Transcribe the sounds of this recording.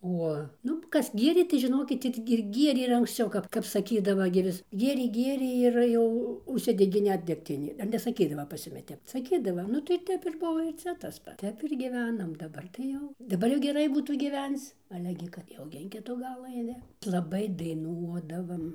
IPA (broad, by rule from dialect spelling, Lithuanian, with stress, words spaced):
ˈoː ˈnʊ ˈkɐs ˈɡʲiɛrʲeː tɐɪ ʒʲɪˈnoːkʲɪt ɪr ɪr ˈɡʲiɛrʲeː ɪr ɐŋksʲˈt͡sʲɛʊ ˈkɐp kɐp sɐˈkʲiːdɐʋɐ ɡʲɪ ˈʋʲɪs ˈɡʲiɛrʲeː ˈɡʲiɛrʲeː ɪr ˈjɛʊ ʊʃʲˈsʲɪdʲɛɡʲeː ˈnʲɛt dʲɛkˈtʲɪnʲeː ɐr nʲɛsɐˈkʲiːdɐʋɐ pɐs ˈjʊmʲɪ ˈtʲɛp sɐˈkʲiːdɐʋɐ nʊ tɐɪ ˈtʲɛp ɪr ˈbʊʋoː ɪr ˈt͡sʲɛ tɐs ˈpɐts ˈtʲɛp ɪr ɡʲiːˈʋʲæːnɐm dɐˈbɐr tɐɪ ˈjɛʊ dɐˈbɐr jɛʊ ɡʲɛˈrɐɪ ˈbuːtuː ɡʲiːˈʋʲɛnt͡s ˈɑːlʲɛ ɡʲɪ kɐt ˈjɛʊ ɡʲɪ ɪn ˈkʲɪtʊ ˈɡɑːlˠʊ ɐɪˈnʲɪ lˠɐˈbɐɪ dɐɪˈnuɔdɐʋɐm